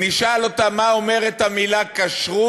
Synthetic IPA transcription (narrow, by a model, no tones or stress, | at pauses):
niʃalo̞t̪amaomeʁet̪hamilakaʃʁu